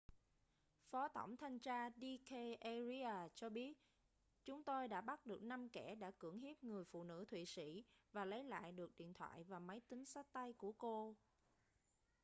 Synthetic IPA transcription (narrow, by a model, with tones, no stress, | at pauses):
fɔ˨˦t̪ʰə̰˧˩wŋ͡mt̪ʰa˧jŋ̟t͡ɕaː˧ɗi˧ke˧ʔe˧zi˧aː˨˩t͡ɕɔ˧ɓi˦˥ət̚ | t͡ɕʊ˨˦ŋ͡mt̪o˧jɗa̰ː˧˥ɓa˦˥t̚ɗɨ˨˩ək̚na˧mkɛ˧˩ɗa̰ː˧˥kɨ˧˩əŋɦi˦˥p̚ŋɨ˨˩əjfṵ˧˨nɨ̰˧˥t̪ʰwḭ˧˨sḭ˧˥vaː˨˩lə˨˦jla̰ː˧˨jɗɨ˨˩ək̚ɗḭ˧˨ənt̪ʰwa̰ː˧˨jvaː˨˩mə˨˦jt̪ï˨˦ŋsa˦˥k̚t̪a˧jku˧˩əko˧